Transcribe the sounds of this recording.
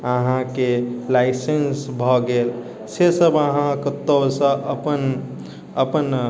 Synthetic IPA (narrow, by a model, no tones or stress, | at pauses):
əɦãkelaɪsensbʱɔɡel | sesəbəɦãkət̪ːəsə̃ʔəpən | əpən